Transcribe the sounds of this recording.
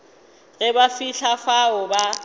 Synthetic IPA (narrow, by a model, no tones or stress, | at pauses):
ɣɛbafiɬafaʊba